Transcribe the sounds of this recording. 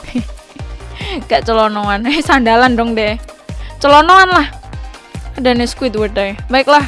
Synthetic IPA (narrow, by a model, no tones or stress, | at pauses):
ŋɡaʔt͡ʃəlɔnɔanesandalandɔŋdɛt͡ʃəlɔnɔanlah | adaneskuwɪt̪wəd̪ajbaɪklah